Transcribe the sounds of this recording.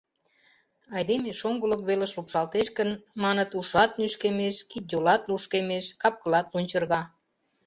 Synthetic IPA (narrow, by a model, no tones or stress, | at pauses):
ɑjd̪emeʃoŋɡələkβeləʃlupʃɑlt̪eʃkənmɑnət̪uʃɑt̪̚nyʃkemeʃkit̪̚d̪ʲolɑt̪luʃkemeʃkɑp̚kə̆lɑt̪lunʲt͡ɕə̆rɣɑ